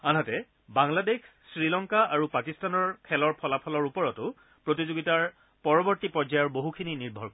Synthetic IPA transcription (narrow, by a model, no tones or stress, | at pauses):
anatɛ | baŋladek | sɹilɔŋkaaɹupakistanɔɹkʰɛlɔɹpʰɔlapʰɔlɔɹupɔɹɔtʊ | pɹotizoɡitaɹ | pɔɹɔbɔɹtipɔɹzajɔɹboɦukʰininiɹbʱɔɹkɔ